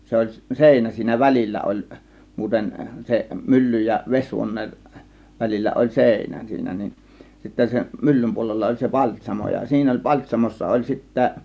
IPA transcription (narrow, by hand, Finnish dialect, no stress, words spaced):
se olʲ seˑinæ siːnæ ʋælilʲːæ olʲ muːten se mylːyj jɑ ʋesʲhuonˑeːn ʋælilʲːæ olʲ seˑinæ siːnæ nin sitːæ sem mylːym puolelːɑ olʲ se pɑlʲtʲsʲɑmo jɑ siːnæ olʲ pɑlʲtʲsʲɑmosːɑ olʲ sitːæ